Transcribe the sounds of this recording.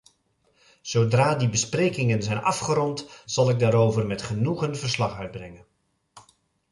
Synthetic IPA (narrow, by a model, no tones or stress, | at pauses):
z̥owdraːdibəsprejkɪŋənzɛjnɑfχəɾɔntz̥ɑlˠɪɡ̚daːɾowvərmɛtχənuχənvəɹslɑχœɥd̚brɛŋən